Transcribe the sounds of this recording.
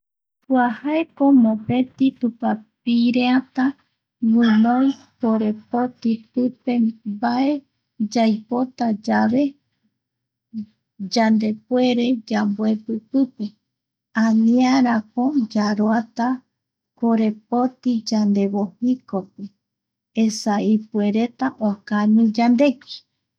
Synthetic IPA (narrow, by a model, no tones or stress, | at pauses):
puahaekomõpẽ̞t̪it̪upapiɾeat̪a | wɨ̃nõj | koɾe̞pot̪ipɨpe̞baʔe̞ | d͡ʒajpot̪ad͡ʒaβe̞ | d͡ʒand̪e̞pwe̞ɾe̞d͡ʒambwepɨpɨpe | ãnĩaɾakod͡ʒaɾoat̪a | koɾe̞p̚ot̪id͡ʒand̪e̞βohikopɨ | esaipweɾe̞t̪aʔokanɨ̃d͡ʒand̪e̞ki̥